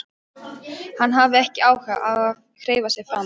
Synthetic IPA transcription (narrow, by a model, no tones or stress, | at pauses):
hanːɦavɪɛhcɪaːwhɛʔaɣað | kʰɾeːjvasjɛɣfɾam